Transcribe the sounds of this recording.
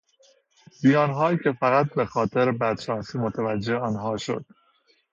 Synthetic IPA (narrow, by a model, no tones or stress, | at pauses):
bijɒːnɦɒːjicʰe̞fæɣæt̪̚be̞xɒːt̪ʰe̞ɾbæd̪̥ʃɒːnsiːmot̪ʰævæd͡ʒːe̞hɒːnɦɒːʃo̰d̪̥